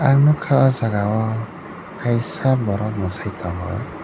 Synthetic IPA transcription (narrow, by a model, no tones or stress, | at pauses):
anukʰawazaɡawɔ | kajsabɔɾɔt̪̚mɔsajt̪ʰɔɦɔ̰j